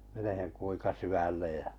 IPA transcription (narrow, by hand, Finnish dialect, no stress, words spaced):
meneheŋ kuiŋkɑ syʋælːej jæ